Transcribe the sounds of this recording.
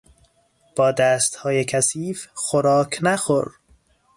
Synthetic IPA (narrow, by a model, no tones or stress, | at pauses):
b̥ɒːd̪æːst̪hɒːjekʰæsiːfxoɾɒːkʰnæxoɾ